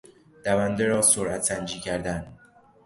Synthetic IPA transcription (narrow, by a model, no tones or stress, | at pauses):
d̪̥ævænd̪eɾɒːsoɾʔæt̪sænd͡ʒiːcʰæɾd̪æn